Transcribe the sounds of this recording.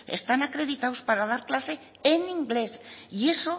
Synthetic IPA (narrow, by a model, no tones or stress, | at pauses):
ḛst̪anakɾe̞ðit̪awspaɾaðaɾklase̞ː | niŋɡle̞sʝeso